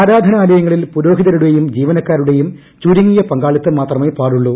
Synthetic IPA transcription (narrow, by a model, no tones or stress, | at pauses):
aːɾaːd̪ʱɐnɐːlɐjɐŋːɐɭilpuɾo̞ːɦiðɐɾuɽejumd͡ʑiːʋɐnɐkːaːɾuɽe̞jum | t͡ɕuːɾiŋːijɐpɐŋɡaːɭit̪ːɐmaːt̪rɐmepaːɽuɭːuː